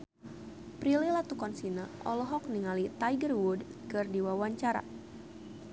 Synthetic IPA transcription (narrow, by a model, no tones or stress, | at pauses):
pɾililat̪ukɔnsinaʔɔ̰lɔɦɔk̚niŋalit̪ajɡərwudkɨrdiwawaɲt͡ʃaɾa̰